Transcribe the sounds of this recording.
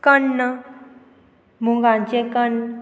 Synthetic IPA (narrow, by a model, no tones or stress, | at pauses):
kənːə | muŋɡãɲt͡ɕẽkən